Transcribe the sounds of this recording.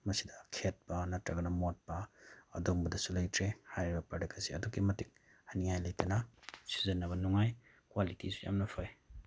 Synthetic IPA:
mɐsidɐkʰet̚pɐnɐtɾɐɡɐnɐmot̚pɐɐ̰doŋbɐdɐsulɐjtʰɾehajɾibɐpɾadekʰɐsiɐ̰dukːimɐtik̚ | haniŋhajlɐjtɐnɐsi̥zɐnːɐβɐnɔŋaj | kwalitisu̥ja̰mnɐpʰoj

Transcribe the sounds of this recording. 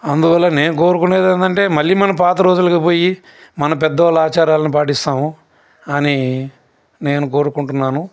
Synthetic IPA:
ɐnd̪uʋɐlːɐne̞ːnuko̞ːɾukune̞ːd̪ɐnd̪ɐɳʈe̞ːmɐlːiːmɐnɐmpaːt̪ɐɾo̞ːd͡ʒulɐkipo̞ːji | mɐnɐp̬ɛd̪ːɐʋalaːt͡ʃaːɾaːlɐnip̬aːʈ̬ist̪aːmu | ɐni | ne̞ːnuko̞ːɾukuɳʈunːaːnu

